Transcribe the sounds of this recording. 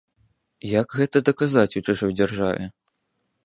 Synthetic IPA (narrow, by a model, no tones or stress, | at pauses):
jaɡɣɛt̪ɐd̪ɐkazat͡sʲut͡ʂuʐɔjd͡zʲarʐa̰vʲɛ̰